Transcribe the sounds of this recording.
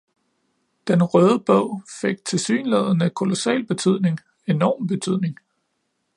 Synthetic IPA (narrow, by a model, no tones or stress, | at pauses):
d̥enʁœːð̞ˠəb̥ɔʊ̰fe̝ɡ̥̚t͡sʰe̝lsy̰ːnleðˠənəkʰo̝lo̝sɛ̰ːlb̥e̝t͡sʰyð̞̰ˠne̝ŋ | e̝nɒ̰ːmb̥e̝t͡sʰyð̞̰ˠne̝ŋ